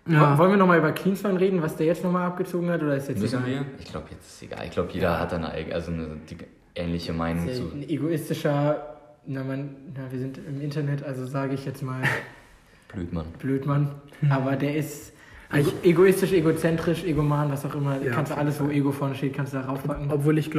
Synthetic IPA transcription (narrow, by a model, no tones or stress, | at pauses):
vɔlənviɐnɔχmaːlyːbɐkʰliːnsmanʁeːdn̩vasd̥eːɐjɛt͡stnɔχmaːlap̚ɡ̥ət͡soːɡŋ̩hatʔoːdɐɪstjɛʔɪçɡ̥la̰ʊbəjɛt͡sɪ̥sḛɡa̰ːlʔɪ̰çɡ̥laʊbəjeːdɐ̰ha̰t̚d̥anə̰ʔa̰ɪɡ̩ʔa̰lzonəd̥i | ʔɛ̰ːnlɪçəmaɪnʊŋŋz̰neɡoɪstɪʃɐ | namannaviːɐzɪntɪmɪntɐnɛtʔalzozaːɡəɪçjɛt͡stmaːl | b̥lø̰ːtmanb̥løːtmanʔaːbɐdeːɐɪs | ʔeɡoeɡoɪstɪʃʔeɡot͡sɛntʁ̥ɪʃʔeɡomaːnvasaʊxʔɪmɐkʰanstuʔaləsvoːʔeːɡofɔɐnəʃteːt̚kʰanstudaːʁaʊfpʰakŋ̩ɔpv̥oːlɪç̥